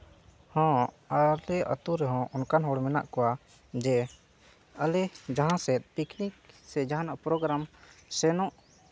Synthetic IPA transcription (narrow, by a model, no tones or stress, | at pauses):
hɔ̃ | əlɛʔə̰t̪uɾɛɦɔ̃ʔɔnkanɦɔɽmɛna̰ʔkɔwa | d͡ʒɛ | əlɛd͡ʒaɦãsɛt̪̚pikniksɛd͡ʒaɦãnaʔpɾɔɡɾamsɛnɔ̃ʔ